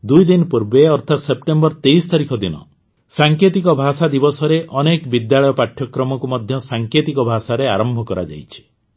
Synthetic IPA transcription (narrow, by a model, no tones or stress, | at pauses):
d̪ujd̪inpuɾbeɔɾt̪ʰat̪sep̚ʈembɔɾt̪ejst̪aɾikʰɔd̪inɔ̰ | saŋket̪ikɔbʱasad̪ibɔsɔɾeʔɔnekbid̪jaɭɔjɔpaʈʰjɔkɾɔmɔkumɔd̪ʱjɔsaŋket̪ikɔbʱasaɾeaɾɔmbʱɔkɔɾa̰d͡ʒa̰jt͡ʃʰi̥